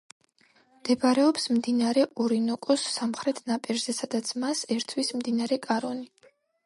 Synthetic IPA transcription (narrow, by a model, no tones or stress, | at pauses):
md̪̥ɛbaɾɛɔpsmd̪inaɾɛʔɔɾinɔkʼɔsːamχɾɛt̪ʰnapʼiɾzɛsad̪at̪sʰmasɛɾt̪ʰwismd̪inaɾɛkʼaɾɔni